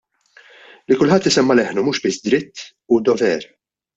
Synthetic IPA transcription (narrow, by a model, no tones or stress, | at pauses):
likʊlħɐt̪ːɪsɛmːɐlɛħnumuːʃbɪsːd̪ɾɪt̪ː | ud̪ɔvɛɾ